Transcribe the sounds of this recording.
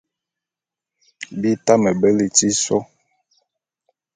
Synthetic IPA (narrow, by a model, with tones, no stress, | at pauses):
bi˦ta˦mə˨bə˦li˨ti˦sɔ˦